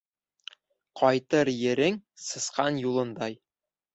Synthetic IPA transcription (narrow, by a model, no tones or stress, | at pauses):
qʰɒjt̪ɤɾjɘ̆ɾɘŋsɤ̆sqɑnjulˠɤ̆nd̪ɑj